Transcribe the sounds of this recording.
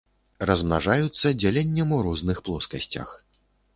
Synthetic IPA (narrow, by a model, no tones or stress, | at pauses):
rɐzmnaʐajut̪sːɐd͡zʲalʲenʲːɐmuɾɔznɨxplˠɔskɐsʲt͡sʲɐ̰x